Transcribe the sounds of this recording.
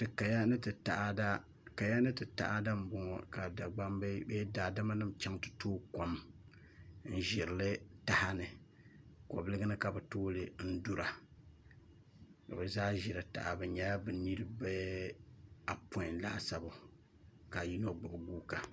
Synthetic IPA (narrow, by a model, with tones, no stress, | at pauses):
tɨ˨ka˨ja˦nɨ˦tɨ˨ta̰˨ʔa˦da˦ | ka˨ja˦nɨ˦tɨ˨ta̰˦ʔa˦da˦m̩˨bɔ˨ŋɔ˦ka˨da˨ɡ͡ba˦mbe˦be˦daː˨da˦ma˦nɨ˦mt͡ʃa˦ŋtɨ̥˨toː˦ko˨m | n̩˦ʒɪ˨ɾɨ˨lɨ˦ta˦ha˦nɨ˨ | kɔ˨blɨ˦ɡɨ˦nɨ˦ka˨bɨ˨toː˦lɨ˦n̩˦du˦ɾa˨ | ka̰˨bɨ˨zaː˦ʒɪ˨ɾɨ˨ta̰˨ʔa˨bɨ˨ɲɛ˦a˦bɨ˨ni˦ɾɨ˦bɛ˦ | a˨po˦ɪ˨n˦laː˦sa˦bʊ˨ | ka˨ji˦no˦ɡ͡bʊ˨ʔʊ˨ɡu˦ka˨